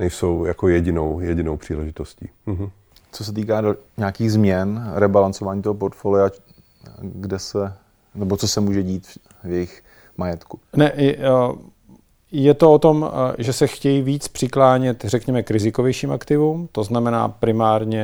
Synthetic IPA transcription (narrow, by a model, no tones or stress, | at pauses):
nɛjsowjakojɛɟɪnowjɛɟɪnowpr̝̥iːlɛʒɪt̪oscḭː | t͡sos̬ɛt̪iːkaːdɲaːkiːɣzmɲɛnɾɛbalant͡sovaːɲiːt̪oɦop̬oɾt̪folɪa | ɡdɛsɛ | nɛbot͡sosɛmuːʒɛɟiːt̪ | vjɛjɪx | majɛt̪kunɛʔ | jɛt̪o̞ot̪o̞mʒɛsɛxcɛjiviːt͡spr̝̥ɪklaːɲɛt̪rɛkɲɛmɛkɾɪzɪkovjɛjʃiːmakt̪ɪvuːmt̪o̞znamɛna̰ːpɾɪmaːɾɲɛ